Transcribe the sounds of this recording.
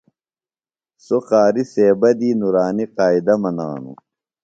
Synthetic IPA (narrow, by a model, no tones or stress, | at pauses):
soxaːɾiseːbɐd̪iːnuɾaːniqaːid̪ɐmɐna̰ːnṵ